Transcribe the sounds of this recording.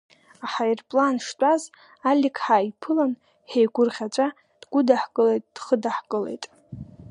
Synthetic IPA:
aħajrpʼlanʂtʷʼaz | alʲikʰʼħaːipʰɨlan | ħejɡʷʊrʁʲat͡ʃʷʼa | d̥ɡʷʊdaħkʼɨlejtʼd̥χədaħkʼɨle̞̰jtʼ

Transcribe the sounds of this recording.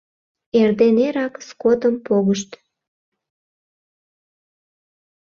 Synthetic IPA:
erd̪eneɾɑkskot̪əmpoɣəʃt̪

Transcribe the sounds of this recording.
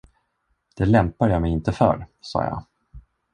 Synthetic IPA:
d̪̥ɛlɛmpad̪əjaːmɛjɪnt̪əfœ̰ɾsɑ̰ːjɑ̰

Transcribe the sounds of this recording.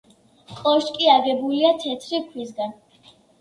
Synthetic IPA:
χʼɔʃkʼiaɡɛbuliat̪ʰɛt̪ʰɾikʰwisɡan

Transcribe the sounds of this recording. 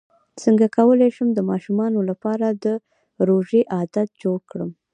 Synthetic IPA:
t͡səŋɡakawəleʃəmd̪əmɑʃumɑnolapɑɾad̪ə | ɾoʒeʔɑd̪at̪̚d͡ʒoɽkɽəm

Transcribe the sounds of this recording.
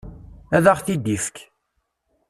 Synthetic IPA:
æðaʁθid̪ifk

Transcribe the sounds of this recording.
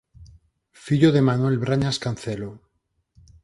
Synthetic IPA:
fiʎoðemanwe̞lβɾaɲaskanθelo

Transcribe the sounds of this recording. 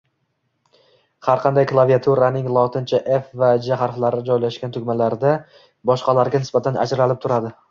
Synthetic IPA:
haɾqʰɑnd̪ajklˠaviat̪ʰuɾanɪŋlˠɒt̪ʰɪnt͡ʃʰaʔefvad͡ʒaχaɾχlˠaɾɪd͡ʒɒjlaʃɡʲant̪ʰʊɡʲmalaɾd̪a | bɒʃqɑlaɾɡʲanɪsbat̪ʰana̰d͡ʒɾalɪp̚t̪ʰʊɾad̪ɪ

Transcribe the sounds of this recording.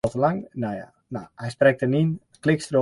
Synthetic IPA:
təlaŋnaja̰ | nahɛjsprɛk̚tənin | klɪkstro

